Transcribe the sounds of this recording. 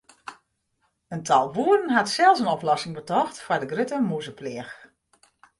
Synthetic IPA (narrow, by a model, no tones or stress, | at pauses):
əntʰɑlˠʋuːrənɦatsɛlˠsənɔplɔsɪŋbətɔxtfɔɹdəɡrɪtəmuzəplɪəx